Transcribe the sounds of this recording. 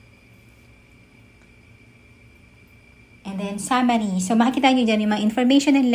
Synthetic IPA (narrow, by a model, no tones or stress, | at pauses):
ʔɛ̃nd̪ɛnsamɐɾisomɐhɐkiːt̪aɐɲod͡ʒanjʊmɐŋaʔɪ̃nfɔɹmejʃɔ̃nɛnl